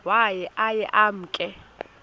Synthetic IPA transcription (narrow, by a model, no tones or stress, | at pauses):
wajɛʔajɛʔam̩kʼɛ